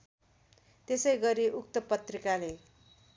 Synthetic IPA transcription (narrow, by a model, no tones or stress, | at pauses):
t̪esʌjɡʌɾiʔukt̪ʌpʌt̪rikale